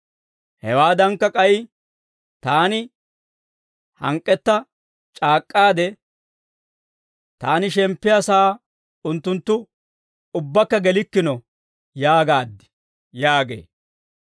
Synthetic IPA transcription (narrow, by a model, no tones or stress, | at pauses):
hɛwaːd̪ɐŋkːɐkʼɐj | t̪aːnɪ | hɐ̰ŋkʼːɛt̪ːɐ | t͡ʃʼaːkʼːaːd̪ɛ | t̪aːnɪʃɛmpːɪjɐsaː | ʊnt̪ːʊnt̪ːʊ | ʊbːɐkːɐɡɛlɪkːɪnɔ | jaːɡaːd̪ːɪ̥ | jaːɡḛː